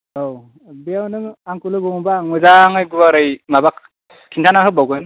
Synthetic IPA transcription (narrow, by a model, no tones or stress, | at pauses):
ow | bijawnɯŋaŋkulɯbɯŋbaŋɯzaŋɯjɡubaɾɯjmabak̚ | kʰintʰanaɦɯbawɡɯn